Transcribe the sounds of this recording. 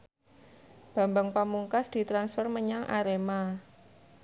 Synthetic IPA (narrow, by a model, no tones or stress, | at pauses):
b̥a̤mbaŋpamuŋkasd̪̥i̤t̪ɾansfərməɲaŋʔa̰ɾema